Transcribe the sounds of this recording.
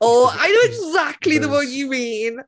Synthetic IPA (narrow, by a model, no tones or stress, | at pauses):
oːa̰ɪnoʊɪɡzæk̚tˡliðəwəjɨmin